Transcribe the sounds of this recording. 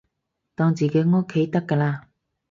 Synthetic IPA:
t̪ɔː˧ŋt͡siː˨ke˨˥jŋo˥kʰːe˨˥jt̪ɐ˥kːəː˧laː˧

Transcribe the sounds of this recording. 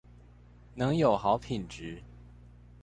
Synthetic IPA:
nɤ˧˥ŋjo˨˩ʊxɑ˧˥ʊpʰi˨˩nʈ͡ʂɻ̩˨˥˦

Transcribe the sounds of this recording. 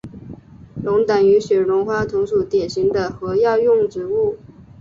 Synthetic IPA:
lʊ˧˥ŋt̪a˨˩ny˧˥ɕɥɛ˨˩ɻʊ˧˥ŋxwa˥t̪ʰʊ˧˥ŋʂu˨˩t̪jɛ˨˩nɕi˧˥ŋd̪ə˧xɤ˧˥jɑ˥˧ʊjʊ˥˧ŋʈ͡ʂɻ̩˧˥u˥˩

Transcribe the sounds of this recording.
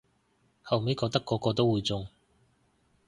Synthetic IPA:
hɐ˨wme˨˥jkɔː˧t̪ɐ˥kːɔː˧kɔː˧t̪o˥wuː˨˧jt͡sʊ˨˧ŋ

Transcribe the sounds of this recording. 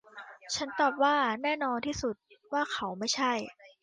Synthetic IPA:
t͡ɕʰa˦˥nt̪ɔː˨˩p̚waː˥˩nɛː˥˩nɔː˧nt̪ʰiː˥˩su˨˩t̪̚waː˥˩kʰa˨˦˥wma˥˩jt͡ɕʰa˥˩j

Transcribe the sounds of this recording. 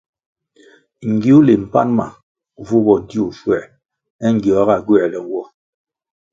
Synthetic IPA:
ŋ̩˨ɡi˨˦u˦le˨m̩˨pa̰˦nma̰˨ | vu˦bɔ˨n˦di˦u˨fwɛ˨ | ɛ˦ŋ̩˦˨ɡjɔ˨a˦ɣa˦˨ɡwɛ˦˨lɛ˨˦wɔ˦

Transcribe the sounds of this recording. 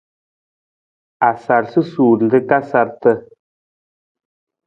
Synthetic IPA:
a˨sa˨ɾsɨ˦suː˨ɾ̩˨d̪ɨ˦ka˦sa˨ɾtə˦

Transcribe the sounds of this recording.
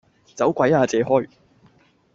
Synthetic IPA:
t͡sɐ˨˥wkʷɐ˨˥jaː˨˧t͡sɛː˨˧ɦɔː˥j

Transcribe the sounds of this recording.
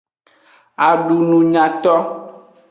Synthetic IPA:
a˨ɖu˨nũ˨ɲã˨t̪ɔ˦

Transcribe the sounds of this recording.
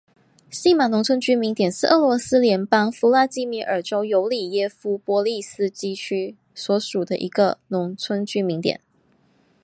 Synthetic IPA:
ɕi˥ma˨˩nʊ˧˥ŋt͡sʰwə˥nt͡ɕy˥mi˧˥ŋt̪jɛ˨˩nʂɻ̩˥˩ʔɤ˥˩lwɔ˧˥sɹ̩˥ljɛ˧˥npɑ˥ŋfu˧˥la˥˧t͡ɕi˥mi˧˥ʔə̰˞˨˩ʈ͡ʂo˥ʊjo˧˥ʊli˨˩jɛ˥fu˥pwɔ˧˥li˥˧sɹ̩˥t͡ɕi˥˩t͡ɕʰy˥ | swɔ˧˥ʂu˨˩d̪ə˦ʔḭ˧˥ɡə̰˧nʊ˧˥ŋt͡sʰwə˥nt͡ɕy˥mi˧˥ŋt̪jɛ̰˨˩˦n

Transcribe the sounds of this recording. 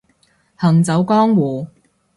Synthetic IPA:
hɐ˨˩ŋt͡sɐ˨˥wkɔː˥ŋwuː˨˩

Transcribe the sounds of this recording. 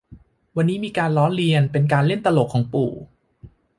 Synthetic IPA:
wa˧nːiː˦˥miː˧kaː˧nɾɔː˦˥nɾi˧ənpe˧nkaː˧nle˥˩nt̪a˧lo˨˩kʰːɔː˩˦ŋpṵː˨˩

